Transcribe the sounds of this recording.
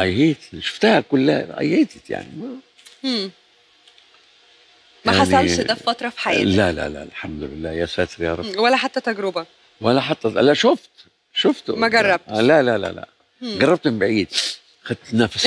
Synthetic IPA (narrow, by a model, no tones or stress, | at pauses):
ʔæjheːt̪ʃo̥ft̪æhækʊlːæʔæ̰jːeːt̪ɪt̪ja̰ʕnḭmæ | mæaħasnænd̪æfæt̪ɾˤɑfi̥ħajæːlælæ̰læ̰lħamd̪ʊlɪlːæːjæsæːt̪ɾjɑɾˤɑbwælːæħat̪ːæt̪æɡɾobæ | wælːæħat̪ːæʔæ̰lːæʃoft̪ | ʃoft̪mæɡɑrˤːɑb̚t̪lælælæ̰læ̰ | ɡɑrˤːɑb̚t̪ɪmbɪʕiːd̪ | xæd̪̚t̪næfæs